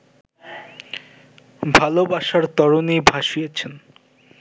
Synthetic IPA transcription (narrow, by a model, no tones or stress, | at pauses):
bʱalobaʃaɾt̪ɔɾonibʱaʃijet͡ɕʰen